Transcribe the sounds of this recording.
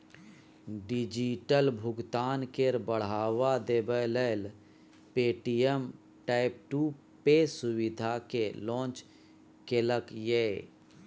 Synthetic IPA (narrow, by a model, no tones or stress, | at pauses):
ɖid͡ʒiʈəlbʱʊɡt̪aːnkeɾbəɽ̤aːwad̪ebələːl | peːʈijem | ʈaːɪp̚ʈu | pesʊwɪd̪ʱakelɔ̃ːnt͡ʃ | keləkjeː